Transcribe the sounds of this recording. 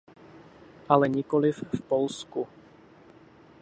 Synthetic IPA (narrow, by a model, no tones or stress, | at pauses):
ʔalɛɲɪkolɪfːpolsku